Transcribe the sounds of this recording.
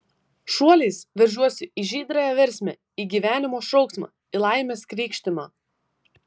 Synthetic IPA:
ʃuɔlʲɛɪsʋʲɐɾʲʒʲuɔsʲɪʔiʒʲiːd̪ɾɐjɛʋʲɛɾʲsʲmʲɛ̰ | iːɡʲiʋʲæːnʲɪmoːʃɔʊksmɑ̰ː | iːlˠɑɪmʲeːskɾʲiːkʃʲt̪ʲɪmɑː

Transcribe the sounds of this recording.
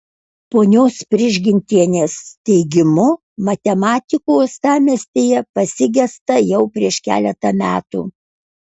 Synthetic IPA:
poːnʲoːspʲɾʲɪʒʲɡʲɪnʲt̪ʲiɛnʲeːst̪ʲɛɪɡʲɪmʊ | mɐt̪ʲɛmɑːt̪ʲɪkoːst̪ɑːmʲɛsʲt̪ʲeːjɛpɐsʲɪɡʲɛst̪ɐjɛʊpʲɾʲiɛʃkʲæ̰ːlʲɛt̪ɐmʲæːt̪ṵː

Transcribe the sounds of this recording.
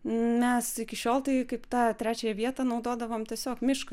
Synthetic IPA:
mʲɛsɪkʲɪʃʲoːlˠt̪ɐɪkɐɪpt̪ɑːt̪ʲɾʲæːt͡ʃʲɛjɛʋʲiɛt̪ɐːnɐʊd̪oːd̪ɐʋoːmt̪ʲiɛsʲoːkmʲɪʃkɐ

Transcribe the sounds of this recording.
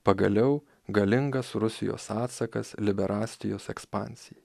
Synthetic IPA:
pɐɡɐ̰lʲɛʊ | ɡɐlʲɪŋɡɐsɾʊsʲɪ̰jo̰ːsɑːt̪sɐkɐ̰slʲɪbʲɛɾʔɑːsʲt̪ʲɪjoːsɛkspɑ̰ːnʲsʲɪj

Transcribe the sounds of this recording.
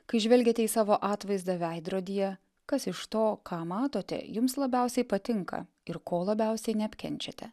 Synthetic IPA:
kɐɪʒʲʋʲɛlʲɡʲet̪ʲɛiːsɑːʋoːʔɑːt̪ʋɐɪzd̪ɐʋʲɛɪd̪ɾoːd̪ʲijɛ | kɐsɪʃt̪oːkʰɑːmɑːt̪oːt̪ʲɛ̰jʊmslˠɐbʲɛʊsʲɛɪpɐt̪ʲɪŋkɐ̰ | ɪɾkoːlˠɐbʲɛˑʊsʲɛɪnʲɛɐpʲkʲɛ̰nʲt͡ʃʲɛt̪ʲɛ

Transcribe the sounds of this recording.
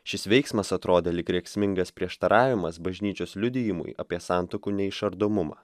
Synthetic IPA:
ʃʲɪsʋʲɛɪksmɐsɐt̪ɾoːd̪ʲeːlʲɪkɾʲɛksʲmʲɪŋɡɐspʲɾʲiɛʃt̪ɐɾʔɑːʋʲɪmɐsbɐʒʲnʲiːt͡ʃʲoːslʲʊd̪ʲɪjɪmʊ̰jɐpʲiɛsɑˑnt̪okuːnʲɛɪʃɐɾd̪oːmʊmɑ̰ː

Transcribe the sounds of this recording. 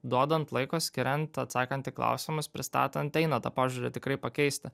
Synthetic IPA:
d̪uɔd̪ɐnt̪lˠɐɪkoːsʲkʲɪɾʲɛnt̪ɐt̪sɑːkɐnʲt̪ʲɪklˠɐ̰ʊsʲɪmʊspʲɾʲɪst̪ɑ̰ːt̪ɐnt̪ʲɛɪnɐt̪ɐ̰pɑːʒʲuɾʲɛt̪ʲɪkɾɐɪpɐkʲɛɪsʲt̪ʲɪ

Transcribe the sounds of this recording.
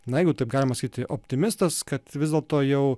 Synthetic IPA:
nɐjɛɪɡʊt̪ɐɪp̚ɡɑːlʲɪmɐsɐkʲit̪ʲɪʔoːpʲt̪ʲɪmʲɪst̪ɐskɐt̪ʋʲɪzʲdʲeɛlˠt̪oːjɛʊ

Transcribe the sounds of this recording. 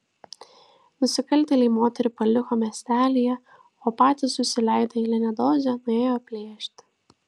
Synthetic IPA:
nʊsʲɪkɐlʲt̪ʲɛlʲiːmoːt̪ʲɛɾʲʊpɐlʲɪxoːmʲɛsʲt̪ʲæːlʲɪjɛ | oːpɑːt̪ʲɪsʊsʲɪlʲɛˑɪd̪ɐilʲɛnʲɛd̪oːzʲɛnʊeːjoːpʲlʲeːʃʲt̪ʲ

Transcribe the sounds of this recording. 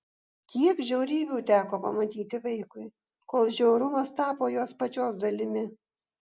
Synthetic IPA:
kʲiɛkʒʲɛʊɾʲiːbʲuːt̪ʲæːkoːpɐmɐt̪ʲiːt̪ʲɪʋɐɪkʊɪ | koːlˠʒʲɛʊɾʊmɐst̪ɑːpoːjoːspɐt͡ʃʲoːsd̪ɐlʲɪmʲɪ

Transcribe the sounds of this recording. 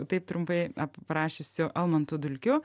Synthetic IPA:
t̪ɐɪp̚t̪ɾʊmpɐɪɐppɾɑːʃʲesʲʊʔɐlˠmɐnt̪ʊd̪ʊlʲkʲʊ

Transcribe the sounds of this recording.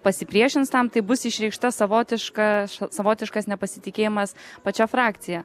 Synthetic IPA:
pɐsʲɪpʲɾʲiɛʃʲɪnst̪ɐmt̪ɐɪbʊsɪʃʲɾʲɛɪkʃt̪ɐsɐʋoːt̪ʲɪʃkɑʃsɐʋoːt̪ʲɪʃkɐsnʲɛpɐsʲɪt̪ʲɪkʲeːjɪmɐspɐt͡ʃʲæfɾɑːkt̪sʲɪjɛ

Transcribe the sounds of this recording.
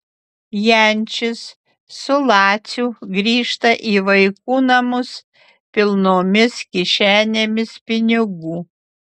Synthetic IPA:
jænʲt͡ʃʲɪsː | ʊlˠɑːt̪sʲuɡɾʲiːʃt̪ɐʔiːʋɐɪkuːnɐmʊs | pʲɪlˠnoːmʲɪskʲɪʃʲæːnʲeːmʲɪspʲɪnʲɪɡuː

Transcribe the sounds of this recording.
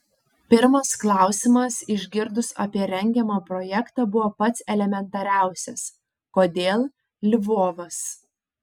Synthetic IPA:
pʲɪɾmɐsklˠɑˑʊsʲɪmɐsɪʒʲɡʲɪɾd̪ʊsɐ̰pʲiɛɾʲɛŋʲɡʲɛmɑːpɾɔjɛkt̪ɑːbʊʋoːpɐt̪sɛlʲɛmʲɛnˑt̪ɐɾʲæˑʊsʲɛs | koːd̪ʲeːlˠ | lʲɪʋoːʋɐs

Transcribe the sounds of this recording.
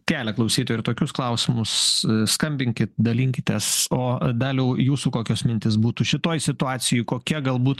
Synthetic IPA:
kʲæːlʲɛklˠɐʊsʲiːt̪oːjɪt̪oːkʲʊsklˠɐʊsʲɪmʊsskɐmʲbʲɪŋʲkʲɪtt̪̚d̪ɐlʲiŋʲkʲɪt̪ʲɛsoːd̪ɐlʲjɛʊjuːsuːkoːkʲoːsmʲɪnʲt̪ʲɪsbuːt̪uːʃʲɪt̪oːjsʲɪt̪ʊɑːt͡s̪ʲɪjʊɪkoːkʲiɛɡɐlˠbuːt̪

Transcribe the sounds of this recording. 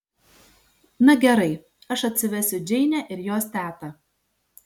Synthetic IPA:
nɐɡʲɛɾɐɪ | ɐʃɐt̪ʲsʲɪʋʲɛsʲʊd͡ʒʲɛɪnʲæʔɪɾjoːst̪ʲæːt̪ɐ

